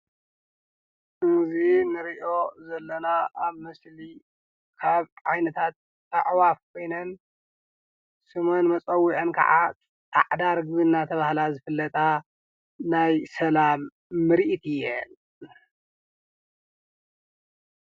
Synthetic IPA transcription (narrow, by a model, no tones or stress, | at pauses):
ɨzinɨɾiʔo̞zɐlːɐnaʔaβmɨsli | kʰaβʕajnɐt̪ʰat̪ː | a̰ʕwafkʰo̞jnɐn | sɨmonmɐt͡sʼɐwːiʕɐnkʰɐ̰ʕa̰ | t̪ʰa̰ʕd̪aɾɡβɨnːat̪ʰɐβahlazɨfɨlːɐt̪ʼa | najsɐlamː | ɨɾiʔit̪ʰijɛn